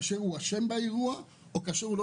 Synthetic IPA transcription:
seɣuasembajɣua | okaseɣuɾo

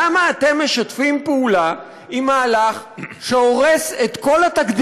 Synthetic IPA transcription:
amaːt̪e̞mːe̞ʃat̪fimpeula | imaːlaχʃeoʁeset̪ko̞lat̪akd̪i

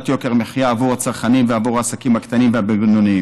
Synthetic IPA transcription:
t̪jokeʁmeχjaːvuʁat͡saʁχanimveavuʁaːsakimhakt̪animveabeɡnoni

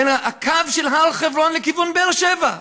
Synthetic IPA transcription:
enaakavʃelɦalχevʁonlekivunbeelʃeva

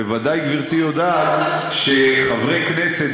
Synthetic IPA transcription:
evad̪ajɡviʁt̪ijo̞d̪at̪ | ʃeχavʁekneset̪

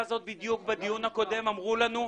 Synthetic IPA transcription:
zo̞t̪̚bid̪juk̚bed̪ijunhako̞d̪e̞mamʁulanu

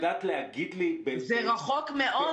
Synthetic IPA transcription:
d̪at̪lehaɡid̪libezeʁaχokmeʔo

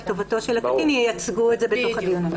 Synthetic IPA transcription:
tovoto̞ʃelakaʔinijjat͡sɡuetzebet̪o̞χhadijun

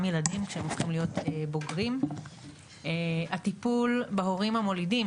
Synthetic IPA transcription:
mjeladimkʃeemofχimlijo̞t̪eboɡʁim | eat̪ipulbaɦoʁimhamo̞lidim

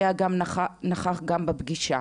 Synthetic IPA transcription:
aɡamnaχaχɡambebɡiʃa̰

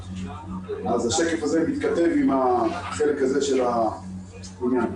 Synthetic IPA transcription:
azaʃekefazemit̪kat̪e̞vimaχelekhaze̞ʃela | unjan

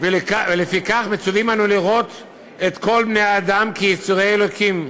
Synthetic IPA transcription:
velekavelefikaχmet͡suvimanuliʁo̞t̪ | et̪ko̞lbnejad̪amkijit͡suʁeelokʰim

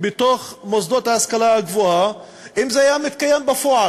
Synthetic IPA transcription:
bet̪oχmozd̪ot̪haːskalaaɡvoa | ʔimzeajamit̪kajembafoa

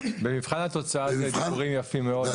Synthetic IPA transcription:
bemivχanhat̪o̞t͡saatved̪ikuʁimjafimːeo̞d̪

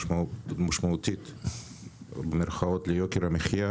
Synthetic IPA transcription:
maʃmaut̪it̪ | bemeɾχaot̪lejokeɾhameχja

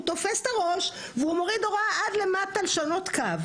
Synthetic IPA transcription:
ut̪o̞festaʁo̞ʃ | veumo̞ʁid̪o̞ʁaʔad̪le̞mat̪alʃano̞t̪kav

